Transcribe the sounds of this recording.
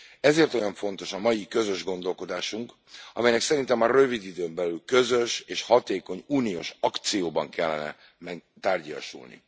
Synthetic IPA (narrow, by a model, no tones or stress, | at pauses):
ɛzeːrt̪o̞jɒɱfo̞nt̪o̞ʃɒmɒjikø̞zø̞ʒɡo̞nd̪o̞lko̞d̪aːʃuŋk | ɒmɛjnɛksɛɾint̪ɛmːɒrø̞vid̪id̪øːmbɛlylkø̞zøʃeːʃhɒt̪eːko̞ɲuːnijo̰ʃɒkt̪sijoːbɒŋkɛlːɛ̰nɛ̰ | mɛɡ̚t̪aːrɟɒ̰ʃṵlnḭ